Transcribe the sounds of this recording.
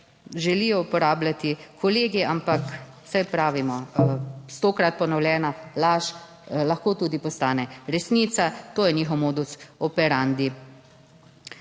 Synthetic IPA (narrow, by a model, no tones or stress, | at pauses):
ʒɛlijɔupɔɾaːblʲat̪ikʰɔleːɡiampak | sajpɾaːʋimɔ | st̪oːkɾat̪̚pɔnɔwljɛːnalaʃ | lɐxkoːt̪uːd̪ipɔst̪aːnɛɾɛsniːt̪sat̪oːjɛniːxɔwmoːd̪usɔpɛɾand̪i